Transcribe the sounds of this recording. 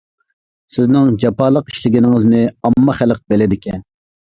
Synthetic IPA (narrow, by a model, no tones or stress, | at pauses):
sɪznɪŋd͡ʒɑpɑːlˠəqi̥ʃlɪɡʲinɪŋɨznɪɑmːɑχælq̚belɪd̪ɪkʲʰɛn